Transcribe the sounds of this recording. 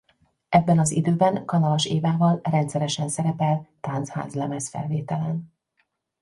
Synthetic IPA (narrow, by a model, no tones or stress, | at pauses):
ɛbːɛnɒzid̪øːbɛnkɒnɒlɒʃeːvaːvɒlrɛnt̪sɛɾɛʃɛnsɛɾɛpɛlt̪ansha̰ːzlɛmɛsfɛ̰lveːt̪ɛlɛn